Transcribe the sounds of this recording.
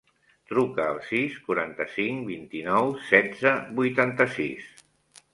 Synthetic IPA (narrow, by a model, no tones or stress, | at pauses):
t̪ɾukəːlˠsiskuɾant̪əsiŋbint̪inɔwsɛdd͡zəbujt̪ant̪əsis